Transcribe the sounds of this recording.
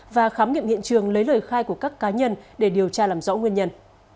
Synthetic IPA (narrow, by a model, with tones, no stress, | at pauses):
vaː˨˩xaː˨˦mŋḭ˧˨əŋḭ˧˨ənt͡ɕɨ˨˩əŋlə˨˦jləː˨˩jxaː˧jku˧˩əkaː˦˥kːaː˨˦ɲə˧nɗe˧˩ɗi˨˩əwt͡ɕaː˧laː˨˩mzɔ̰˧˥ŋwi˧əɲə˧n